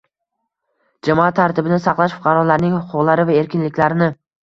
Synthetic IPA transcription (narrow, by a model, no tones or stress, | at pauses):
d͡ʒamɒat̪ʰːaɾt̪ʰɪbɪnɪsaqlˠaʃfʊqʰɑɾɒlaɾnɪŋhʊqʰʊqlˠaɾɪvae̞ɾkʲɪnlɪkʲlaɾɪnɪ